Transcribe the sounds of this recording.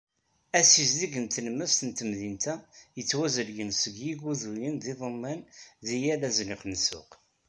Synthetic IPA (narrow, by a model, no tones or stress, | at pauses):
æsizliɡənt̪ənmːəst̪ənt̪əmðint̪æjət͡sːwæzəɾjənsəɡjiɡuðujənðiðˤəmːænðijælæzniχnsʊ̰q